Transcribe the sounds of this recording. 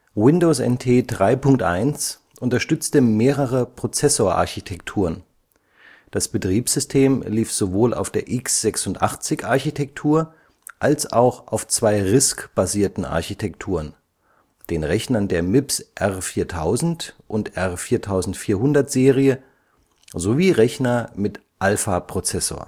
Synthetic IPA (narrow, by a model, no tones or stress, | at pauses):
wɪndoːsɛ̰ntʰeːdʁaɪpʰʊŋk̚tʔa̰ɪns | ʔʊntɐʃtʏt͡stəmeːʁəʁəpʁ̥ot͡sɛsoːɐʔa̰ɐçitʰɛktʰuːʁən | d̥asb̥ətʁ̥iːpsʏstʰeːmliːfz̥ovoːlʔa̰ʊfd̥eːɐʔɪksz̥ɛksʊntʔa̰χt͡sɪçʔaɐçitʰɛk̚tʰuːɐ | ʔalsa̰ʊxʔa̰ʊft͡sv̥aɪʁɪskb̥aziːɐtn̩ʔa̰ɐçitʰɛktʰuːʁən | d̥eːnʁɛçnɐndeːɐmɪpsʔɛʁfiːɐtʰaʊzn̩tʔʊntʔɛʁfiːɐtʰaʊzn̩tfiːɐhʊndɐtz̥eːʁiə | zoviːʁɛçnɐmɪt | ʔalfapʁ̥ot͡sɛso̰ːɐ